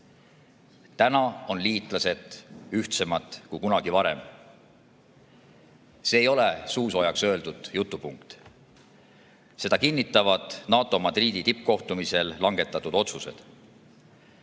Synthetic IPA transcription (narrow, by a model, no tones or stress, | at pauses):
t̪ænɑo̞nliːt̪ˑlɑse̞t̪ˑyht̪se̞mɑt̪ːˑkujkunɑɡ̥ivɑɾe̞̰m | se̞ːjo̞le̞suːsojɑksø̞ːld̪ud̪̥jut̪ˑːupuŋkt̪ | se̞d̪̥ɑkinːit̪ːˑɑvɑd̪̥nɑːt̪ˑo̞mɑd̪riːd̪̥it̪ip̚ːˑko̞ht̪umise̞lːɑŋɡe̞t̪ːˑɑt̪ːˑud̪̥o̞t̪suse̞̰d̪̥